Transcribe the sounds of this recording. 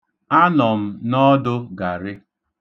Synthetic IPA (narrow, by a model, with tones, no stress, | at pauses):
a˦nɔ˨m̩˦nɔ˦dʊ˦ɡa˨ɾɪ˦